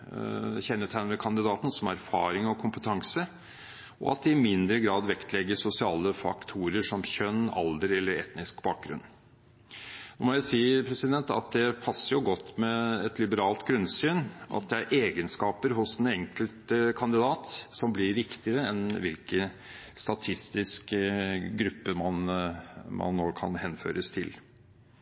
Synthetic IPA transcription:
çɛnːət̪ʰæɪnəkʰɑnd̪ɪd̪ɑːt̪n̩sɔmæɾfɑːɾɪŋɔkʰʊmpət̪ʰɑŋsə | ɔ̰ɑ̰t̪̚d̪ɪɪmɪnd̪ɾəɡɾɑːd̪ʋɛkt̪ʰlɛɡːəʂʊsɪɑːləfɑ̰kt̪ʰuːɾəʂɔmçœnːɑ̰ld̪əɾɛlːəɾɛ̰t̪nɪskbɑːk̚ɡɾʉ̰nː | nɔmɔjæsiːəpʰɾɛsɪd̪ɛnt̪ɑ̰t̪̚d̪ɛpʰɑsːəɾjʊɡɔt̪ːmɛɛt̪lɪbəɾɑːlt̪ɡɾʉnsyːnʔɑ̰t̪̚d̪ɛæɾʔeːɡənskɑːpəɾɦʊsd̪ɛnɛŋkəlt̪əkʰɑnd̪ɪd̪ɑːt̪sɔmblɪɾʋɪkt̪ɪəɾəɛnʋɪlkə | st̪ɑt̪ʰɪst̪ɪskəɡɾʉpːəmɑn | mɑ̰nːoːkʰɑ̰nhɛnfø̰ːɾəst̪ʰɪ̰l

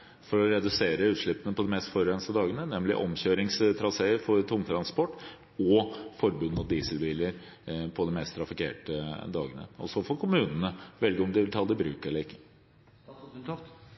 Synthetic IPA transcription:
fɔɾɔɾɛd̪ʉseːɾəʉːt̪ʂɭɪpːənəpʰɔd̪ɛmɛst̪fɔɾɾɛnst̪əd̪ɑːɡənənɛmlɪ̰ʔɔ̰mçøːɾɪŋst̪ʰɾɑseːəɾfɔɾt̪ʰʊŋt̪ʰɾɑnspɔʈː | ɔfɔɾbʉnːɔd̪iːsəlbiːləɾ | pʰɔd̪ɛmɛst̪ʰɾɑfɪkḛːʈəd̪ɑːɡənə̰ɔ̰sɔfɔɾkʰʊmʉːnənəʋɛlɡəɔmd̪ɪʋɪlt̪ʰɑld̪ɪbɾʉːkəɾɛləɪkːə̥

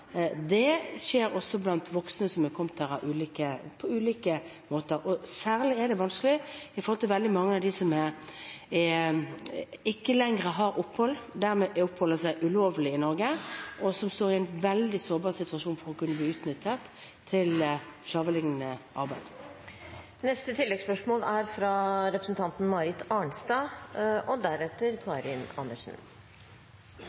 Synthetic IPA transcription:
d̪ɛʃeːɾɔsːɔblɑnt̪ʋɔksnəsɔmɛkʰɔmt̪ʰɑʁɑʔʉːliːkəpʰɔʉːliːkə | moːt̪əɾɔsæːʁlɪɛɖ̪ɛʋɑnskəlɪɪfɔɾhɔlt̪ɪlʋɛld̪ɪmɑŋːəɑʋd̪ɪsɔmɛ | ɪkːəlɛŋɾəɦɑɾʔʊpːhɔlːd̪æʁmɛʔɛʊpːhɔlːəsæɪʔʉloːʋlɪɪnɔɾɡəʔɔsɔmst̪oːʁɪæɪnʋɛld̪ɪsoːʁbɑːʁsɪt̪ʉɑʃuːnfɔʁɔkʉnːəbliːʉːt̪nʏt̪ʰːət̪ʰː | ɪlslɑːʋəlɪŋːənəʔɑ̰ʁbæɪd̪̥ | nɛst̪ət̪ʰɪlːɛɡspœʂmoːlæɾfɾɑɾɛpɾəsn̩t̪ʰɑnt̪n̩mɑɾɪt̪ɑɳst̪ɑːʔɔd̪æɾɛt̪ːəɾkʰɑːɾɪnɑ̰nːəʂn̩

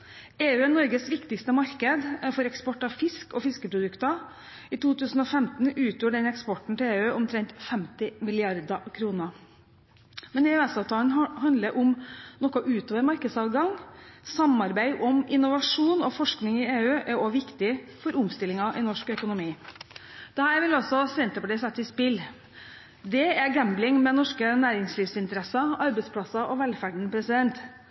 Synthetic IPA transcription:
eːʉːɛnɔɾɡəsʋɪkt̪ɪkst̪əmɑɾkəd̪fɔɾɛkspɔʈːɑfɪskɔfɪskəpʰɾʊd̪ʉkt̪ɑ | it̪ʰuːt̪ʰʉːsn̩ɔfɛmt̪n̩ʉːt̪ʰjuːɖɛnɛkspɔʈɳ̩t̪ʰɪleːʉːʊmt̪ʰɾɛnt̪fɛmt̪ɪmɪlɪɑɾd̪ɑkʰɾuːnə | mɛneːʉæsɑːʋt̪ʰɑːlnhɑnd̪ləɾʔʊmnɔkːɔʔʉːt̪oːʋəɾmɑɾkəd̪sɑːʋɡɑŋsɑmɑɾbæɪʔɔmɪnːʊʋɑʂuːnɔfɔʂknɪŋɪeːʉːʔæɾɔʋɪkt̪ɪfɔɾʊmst̪ɪlːɪŋɑʔɪnɔʂkœkʊnʊmiː | d̪̥ɛhæːɾʋɪlɔsɔsɛnt̪əpəɖ̪ɪsɛt̪ːɪspɪlː | d̪ɛæɡæmblɪŋmɛnɔʂkənæːɾɪŋsliːʋsɪnt̪əɾɛsɑɑɾbɛɪspʰlɑsɑʔɔʋɛlfæɖɳ̩əpʰɾɛsɪd̪ɛnt̪

